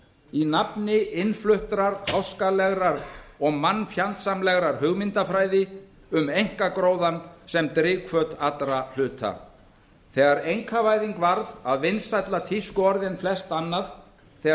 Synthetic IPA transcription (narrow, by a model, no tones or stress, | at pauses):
inapnɪʔɪnflʏht̪ɾaɾhawskalɛɣɾaɾɔɣmanːfjant̪samlɛɣɾaɾ̥hʏɣmɪnt̪afɾaːjðɪ | ʏmejŋ̥kakɾoːwðansɛmt̪ɾɪːkʰvœt̪at̪ɾal̥ʏːt̪a̰ | θɛːɣaɾejŋkʰavaːjðiŋkvaɾðaðvɪnsajt̪lat̪ʰiskʏɔɾðɪnflɛst̪anːað | θɛ